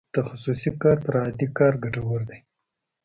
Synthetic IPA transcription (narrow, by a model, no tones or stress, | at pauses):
d̪̥əxʊsusikɑɾt̪aɾhad̪ikɑɾɡaʈawəɾd̪aj